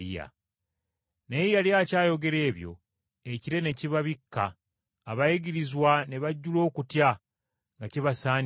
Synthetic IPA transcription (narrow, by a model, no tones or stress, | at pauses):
a̰ | neijaljaːcaːjo̞ɡe̞ɾe̞ːβjo̞̰ | eciɾe̞ne̞ciβaβikːaː | βajiɡiɾizwaneβaɟːulo̞ːkutja | ŋɡaciβasaːn